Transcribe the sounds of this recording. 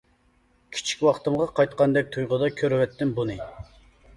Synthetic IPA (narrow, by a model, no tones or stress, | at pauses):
kʲʰi̥t͡ʃʰi̥kʲwɑχt̪ɨmʁɑqʰɑjt̪qʰɑnd̪ɛk̚ʲt̪ʰujʁʊd̪ɑkʲʰøɾwɛt̪ːɪnbunɨ